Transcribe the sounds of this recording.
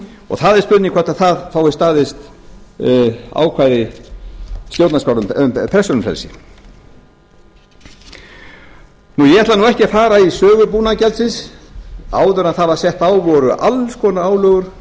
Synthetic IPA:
ɔ̰ɣθaðɛɾspʏðnɪŋkʰvat̪aθaðfaːwɪst̪aːðɪst̪ | a̰ːwkʰvajðɪ | st̪jowt̪naspawnʏmpʰɛsɔnʏmfrɛ̰lsɪ | nujɛaht̪laɾnuɛhcɪafaːɾaisœːɣʏpuːnacɛlt̪sɪns | aːwðʏɾanθavḁsjɛht̪aːwvɔɾʏʔalskʰɔːnaaːwlœːɣʏɾ̥

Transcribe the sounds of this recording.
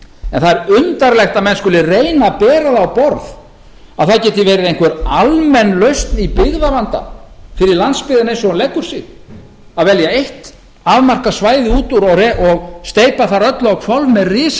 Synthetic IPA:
ɛnθaðɛɾʏnt̪aɾlɛxt̪aðmɛnskʏːlɪrejnapɛːɾaðawpɔɾð | aðθacɛːt̪ɪvɛːɾɪɾejŋkvɛɾalmɛnːlœɥst̪nipɪɣðavant̪a̰fɪɾɪɾlant̪spɪːðɪnejnsɔɣanlɛkʏɾ̥sɪ | aðvɛljaejht̪ | aðmar̥kasvaːjðɪuːt̪uɾɔreʔɔɣst̪eːjpaθaɾœt̪lawkʰfjɔlvmɛðrɪːs

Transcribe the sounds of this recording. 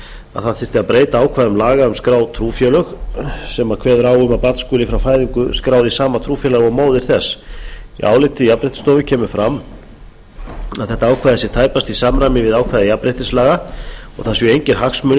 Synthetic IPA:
a̰ðθaðfɪr̥t̪ɪaðpɾeːjt̪aaːwkʰvaːðʏmlaːɣaʏmskɾaːwt̪ʰɾuːfjɛlœxsɛmakʰvɛːðʏɾaːwʏmapaɾt̪skʏːlɪfɾawfaːjðiŋkʏskɾaːwðɪsaːmat̪ʰɾuːfjɛlaɣamoːwðɪɾ̥θɛsːḭʔa̰ːwlɪt̪ɪjapɾejt̪st̪oːwvɪcʰɛːmʏfɾam | aðθɛht̪aaːwkʰvajðasjɛ̥t̪ʰaːjpast̪isaːmɾajmɪvɪðaːwkʰvajðajapɾejht̪ɪslaːɣaɔ̰ɣθasvjɛejɲcɪɾ̥ɦaksmʏn

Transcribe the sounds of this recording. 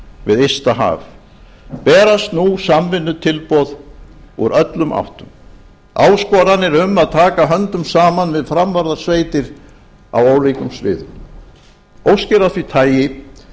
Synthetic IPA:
vɪðejst̪aɦa̰ːv | pɛːɾast̪nusamvɪnːʏt̪ʰɪlpɔðɔɾœt̪lʏmʔa̰wht̪ʏm | aːwskɔɾanɛɾʏmːaðt̪ʰaːkaɦœnt̪ʏmsaːmanvɪðfɾamvaɾðḁsveːjt̪ɪɾ | a̰woːwlejkʏmsvɪ̰ːðʏ̰m | owscɪɾaθvit̪ʰaːjɪ

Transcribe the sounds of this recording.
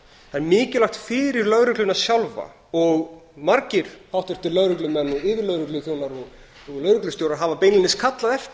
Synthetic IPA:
anmɪːcɪlaxt̪fɪɾɪɾlœɣɾʏklʏnaðsjawlva̰ | ɔɣmaɾcɪɾ̥hawht̪ʏɾ̥t̪ʰɪlːœɣɾʏklʏmɛnːɔɣɪːvɪɾlœɣɾʏklʏθjoːwnaɾɔɣ | ɔɣlœɣɾʏklʏst̪jowɾaɾɦaːvapeːjnɪnːɪskʰat̪laðɛft̪

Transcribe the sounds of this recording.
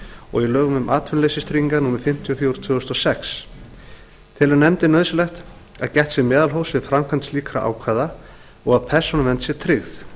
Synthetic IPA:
ɔ̰ɣilœːɣʏmʏmʔaːt̪ʰvʏnleːjsɪst̪ʰɾiŋkanuːmɪɾfɪm̥t̪ʰiɔfjowɾʏ̥t̪ʰʏːðʏst̪ɔsɛks | t̪ʰɪlɛɾnɛmt̪ɪnœːðsʏlɛxt̪ | aðcɛht̪sjɛmɛːðalɦowsvɪðfɾamkʰant̪sliːkɾa̰ʔa̰ːwkʰvaːða | ɔɣaðpʰɛr̥sɔnʏmvɛnt̪sjɛt̪ʰɾɪɣθ

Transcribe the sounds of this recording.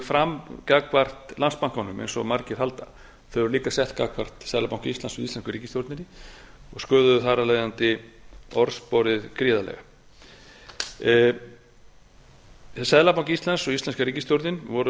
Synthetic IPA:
fɾamkaːkvar̥t̪lanspawŋ̥kɔnːʏmʔḛjnsɔ̰maɾcɪɾ̥halt̪a | θœvʏɾliːkasɛht̪ka̰kvar̥t̪sɛðlapawŋ̥cist̪lansʏðisɛnskʏɾiːcɪst̪joɾt̪nɪnɪɔɣskœːðʏðʏθaraleːjðant̪ɪɔɾspɔɾɪðkɾiːðalɛ̰ɣa | sɛðlapawŋcist̪lansɔɣist̪ɛnskaɾiːcɪst̪jowɾt̪nɪnvɔɾʏ

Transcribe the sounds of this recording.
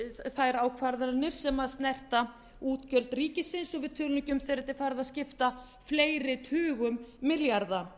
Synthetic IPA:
θaðɛɾaːwkʰvaɾðaɾnɪɾ̥sɛmaðst̪nɛr̥t̪a | uːt̪cœlt̪ɾiːcɪsɪnsɔɣvɪð̥t̪ʰʏlnʏcʏmθeɾɛt̪ːɪfaɾðaðscɪft̪a | fleːjɾɪt̪ʰʏːɣʏmːɪljaɾða

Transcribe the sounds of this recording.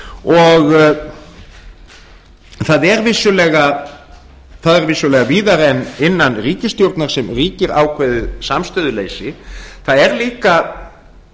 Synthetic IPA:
ɔɣ | θaðɛɾvɪsjʏlɛːɣa | θaðɛɾvɪsjʏlɛɣaviːðaɾɛnːɪnːanriːcɪst̪jowɾt̪naɾ̥sɛmriːcɪɾa̰wkʰvɛðʏsamst̪œːðʏlejsɪθaðɛɾliːka

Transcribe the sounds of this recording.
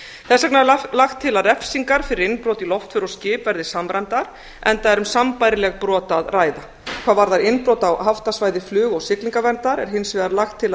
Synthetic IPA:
θɛsaknalaxt̪ʰːɪlaɾɛfsiŋkaɾ̥fɪɾɪɾɪnpɾowt̪ilɔft̪fʏɾɔscɪːpvɛɾðɪsamɾant̪aɾ̥ | ɛnt̪aɛɾʏmsampajɾɪlɛɣpɾɔːt̪aðraːjða | kʰv̥aːvaɾðaɾɪnpɾoːwt̪awhaft̪asvaːjðɪflʏːɣɔɣsɪkliŋkavɛnt̪aɾɛɾ̥ɦɪnsvɪðaɾlaxt̪ʰːɪla

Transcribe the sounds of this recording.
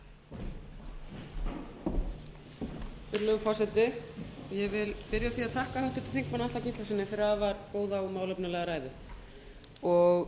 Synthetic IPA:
ʏɾlœɣfɔrsɛt̪ɪjɛvɪlpɪɾjaθiaðθʰahkahœht̪ʏ̥t̪ɪ̥lθiŋkmanat̪acʰist̪asɪnːɪfɪɾɪaðvaɾkoːwðaumaːwlœpnʏɪlɛɣaɾaːjðʏ | ɔɣ

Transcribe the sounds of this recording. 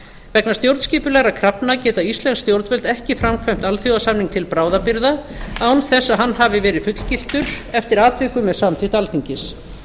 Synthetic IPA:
vɛknast̪jowɾt̪sciːpʏlɛɣɾakʰɾapnacɛːt̪aist̪lɛnst̪jowɾt̪vœlt̪ɛhcɪfɾamkʰvajm̥t̪alθjowasamniŋk̚t̪ʰɪlpɾaːwðapiɾðaawnθɛsːaɦanːɦavɪvɛːɾɪðfʏt̪l̥cil̥t̪ʏɾɛft̪ɪɾaːt̪vɪkʏmɛðsamt̪ʰiːt̪alt̪ʰiɲcɪs

